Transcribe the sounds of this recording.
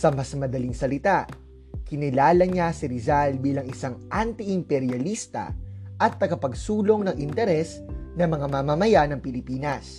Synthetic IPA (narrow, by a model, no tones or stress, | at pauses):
sɐmɐsmɐd̪ɐliŋsɐlɪt̪aʔ | kɪnɪlaːlɐɲasɪɾɪzalbiːlɐŋɪsaŋʔant̪ɪʔɪmpɛɾjɐlist̪ɐ̰ʔɐt̪ːɐɡɐpɐɡsuːlo̞ŋnɐŋʔɪnt̪ɛɾɛs | nɐmɐŋamɐmamɐjanɐŋpɪlɪpiːnɐs